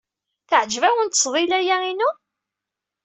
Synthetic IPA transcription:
θəʕd͡ʒvæwənt̪ːə̥sˤðˤilæjæinu

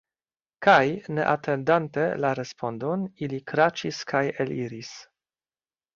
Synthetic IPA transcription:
kajne̞̰ʔatʰe̞ndante̞laɾe̞spʰo̞ndonilikɾat͡ʃiskʰajeliɾis

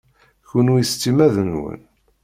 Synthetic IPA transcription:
çunujəst͡sːimæðənwə̰n

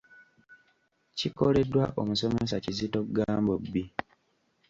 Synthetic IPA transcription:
cikole̞dːwaʔomuso̞me̞s̬acizitoɡaːmbobːi

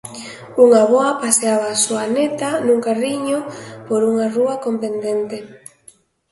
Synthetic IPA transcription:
uŋaβɔɐpaseaβaːsuanet̪anuŋkariɲopoɾuŋaruɐkomp̪end̪ent̪e

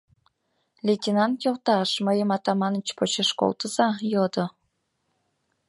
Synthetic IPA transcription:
lʲetʲinɑnt̪jolt̪ɑʃməjəmɑt̪ɑmɑnət͡ɕpot͡ɕeʃko̰lt̪əz̥ɑjɤd̪ɤ

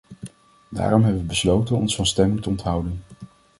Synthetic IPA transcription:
da̰ːrɔmɦɛbəʋəbəslowtənɔ̰nsfɑnstɛmɪŋtəɔntɦʌwdən

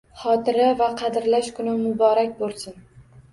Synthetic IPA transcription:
χɒt̪ʰɪɾavaqʰɑd̪ɪɾlaʃkʰʊnɪmʊbɒɾakʲbolˠsɪn

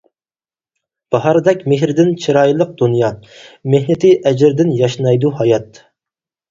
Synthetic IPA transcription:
b̥ɑɦɑɾɨd̪ɛkʲmeɦɾɪd̪ɪnt͡ʃʰiɾɑːjilˠəq̚d̪̥unjɑmehnɪt̪ʰɪʔɛd͡ʒɪɾd̪ɪnjɑʃnɑjd̪uɦɑjɑt̪

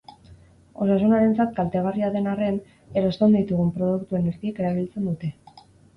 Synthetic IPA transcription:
o̞sasunaɾe̞nt͡sat̪̚kalt̪e̞ɣ̞ariaðe̞nare̞n | eɾo̞st̪end̪it̪uɣ̞umpɾo̞ð̞ukt̪ue̞neɾɣieke̞ɾaβilt͡se̞nd̪ut̪e̞

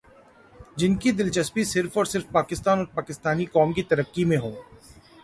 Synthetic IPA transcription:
d͡ʒɪnkid̪ɪlt͡ʃəspisɪɾfɔːɾsɪɾfpaːkɪst̪aːnɔːɾpaːkɪst̪aːnikɔːmkit̪ɐɾəkːimẽɦõː

